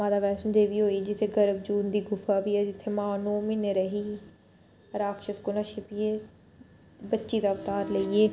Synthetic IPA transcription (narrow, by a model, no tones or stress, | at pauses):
mãːd̪aːʋɛːsənd̪eːʋiːɦoːiːd͡ʒɪt̪ʰːeɡəɾəb̚d͡ʒuːnd̪iːɡʊfaːbiːɛːd͡ʒɪt̪ʰːeːmãːnoːmiːneːɾəɦiː | ɾaːkʃəskʊnaːʃɪpieː | bətːʃiːd̪aːʊft̪aːɾləieː